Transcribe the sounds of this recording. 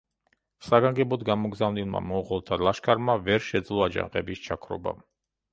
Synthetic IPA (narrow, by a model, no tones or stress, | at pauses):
saɡaŋɡɛbɔd̪ɡamɔɡzavnilˠma̰mɔʁɔlˠt̪ʰalaʃkʰaɾmavɛɾʃɛd̪zlˠɔad͡ʒa̰ŋqʼɛ̰bist͡ʃʰakʰɾɔ̰ba̰